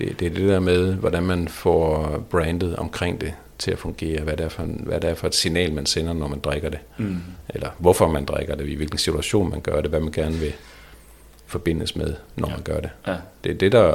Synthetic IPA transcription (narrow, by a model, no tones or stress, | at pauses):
d̥ed̥e̝æɐd̥e̝d̥ɛɐ̰með̞ˠʋɒd̥ænmænfɒb̥ʁɛːnd̥ð̩ˠɒ̽mkʰʁeŋ̰d̥e̝ | t͡sʰe̝læfɔ̽ŋɡ̥e̝̰ːɐʋæɐɾeɐfɒʋæɐɾeæɐfɒ̽e̝d̥sinɛ̰ːlmænsenɐnɒmænd̥ʁaɡ̥ɐd̥e̝ʔelɐʋɒfɒ̽mænd̥ʁaɡ̥ɐd̥e̝iʋe̝lɡ̥n̩sit͡sʰuæɕo̝̰ːnmænɡ̥ɶɐɾ̥eʋæmænɡ̥æɐnəʋe̝ | fɒ̽b̥e̝n̰əsmeð̞ˠnʔɒ̰mænɡ̥ɶɐde̝d̥e̝æɐd̥e̝dɑ